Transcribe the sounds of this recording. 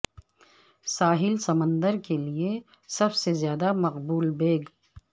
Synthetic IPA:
saːɦɪlsɐmə̃nd̪əɾkelie | sɐbsezjaːd̪amɐqbuːlbeːɡ

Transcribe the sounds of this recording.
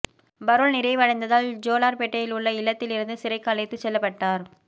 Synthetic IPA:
bɐɾɯɭnɪɾɐɪʋɐɻɐɪnd̪ɐðaːld͡ʒoːlaːɾpɛʈːɐjɪlʊɭːɐɪlːɐt̪ːɪlɪɾɯnd̪ɯsɪɾɐɪkːaːlɐjt̪ːɯt͡ʃːɛlːɐpːɐʈːaːɾ

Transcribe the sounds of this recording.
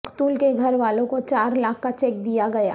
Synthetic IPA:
qt̪uːlkeɡʱɐɾʋaːlõkot͡ʃaːɾlaːkʰːat͡ʃɛːk̚d̪ijaɡɐja̰ː

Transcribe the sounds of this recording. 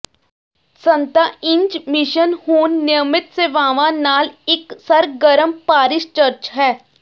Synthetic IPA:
sənt̪aːɪ̃ɲd͡ʒmɪʃənhuːnːɪjəmɪt̪seːʋaːʋãːnaːlɪksəɾɡəɾəmpaːɾɪʃt͡ʃəɾt͡ʃɦɛː

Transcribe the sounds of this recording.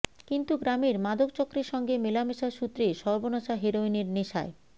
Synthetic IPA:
kint̪uɡɾameɾmad̪ʱokt͡ɕokːɾeɾʃɔŋɡemelameʃaʃut̪ːɾeʃɔɾbonaʃaɦeɾoineɾneʃa̰e

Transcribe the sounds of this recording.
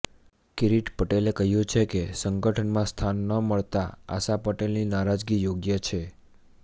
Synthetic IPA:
kiɾiʈpəʈelekəɦjũt͡ʃʰekesəŋɡəʈʰənmãst̪ʰanːəməɭt̪aa̰sapəʈelninaɾad͡ʒɡijoɡjət͡ʃʰe

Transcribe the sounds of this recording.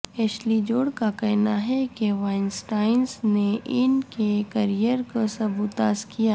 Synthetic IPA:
ɛːʃlid͡ʒoːɽkakɛɦnaɦɛkeʋaɪnsʈaːɪnsneʔɪnkekɐɾijəɾkosɐbuːt̪a̰ːskijaː

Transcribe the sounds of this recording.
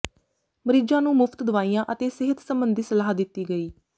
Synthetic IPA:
məɾid͡ʒãːnũːmʊpʰt̪d̪ʊʋaːijãːʔət̪eːsɪɦət̪səmbənd̪iːsəlaːɦd̪ɪt̪ːiːɡəiː

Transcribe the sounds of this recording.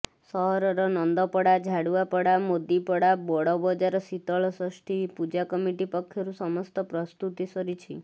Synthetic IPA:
sɔɦɔɾɔɾɔnɔnd̪ɔpɔɽad͡ʒʱaɽuapɔɽamod̪ipɔɽabɔɽɔbɔd͡ʒaɾɔsit̪ɔɭɔsɔsʈʰipud͡ʒakɔmiʈipɔkʰːjɔɾusɔmɔst̪ɔpɾɔst̪ut̪isɔɾit͡ʃʰi

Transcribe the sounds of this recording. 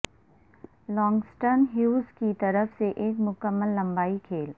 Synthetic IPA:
lɔ̃ːŋɡsʈəɾnɦjuːzkit̪ɐɾəfseʔeːkmʊkəmːəlːɐ̃mbaːikʰeːl

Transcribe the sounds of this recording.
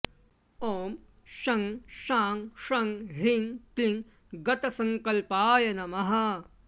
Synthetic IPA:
oːm | ʃɐŋʃaːŋʃɐŋɦiŋt̪liŋ | ɡɐt̪ɐsɐŋkɐlpaːjɐnɐmɐɦɐ

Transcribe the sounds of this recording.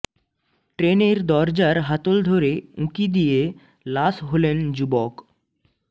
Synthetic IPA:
ʈɾeneɾd̪ɔɾd͡ʑaɾɦat̪old̪ʱoɾeũkid̪ije | lasɦolend͡ʑubɔk

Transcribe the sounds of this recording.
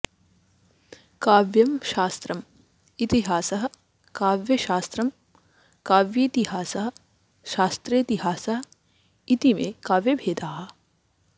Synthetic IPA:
kaːʋjɐmʃaːst̪ɾɐm | it̪iɦaːsɐɦɐ̆ | kaːʋjɐʃaːst̪ɾɐm | kaːʋjit̪iɦaːsɐɦɐ̆ | ʃaːst̪ɾeːt̪iɦaːsɐɦɐ | it̪imḛːkaːʋjɐbʱeːd̪aːɦɐ̆

